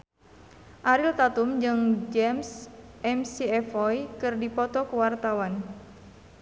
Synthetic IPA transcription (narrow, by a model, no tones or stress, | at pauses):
ʔaɾilt̪at̪umd͡ʒɨŋd͡ʒɛmsʔɛmsiɛfɔjkɨrdipɔt̪ɔkəwart̪awan